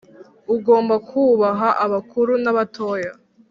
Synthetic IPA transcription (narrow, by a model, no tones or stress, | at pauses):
uɡoːmbakuːβaɦaʔaβakuɾunaβato̞ːja